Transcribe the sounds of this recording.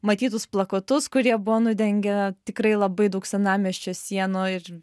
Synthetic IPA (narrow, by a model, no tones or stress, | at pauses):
mɐt̪ʲiːt̪ʊsplˠɐkot̪ʊskʊɾʲiɛbʊʋoːnʊd̪ʲɛŋʲɡʲɛt̪ʲɪkɾɐɪlˠɐbɐɪd̪ɐʊksʲɛnɑːmʲiɛʃʲt͡ʃʲoːsʲiɛnoːɪr